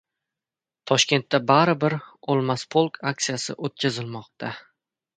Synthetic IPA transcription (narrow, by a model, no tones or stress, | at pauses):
t̪ʰɒʃkʲe̞nt̪ʰːabaɾɪbɪɾolˠmaspʰolˠkʰak̚t̪sijasɪ̰ʔot̪̚kʲʰazɪlmɒq̚t̪ʰa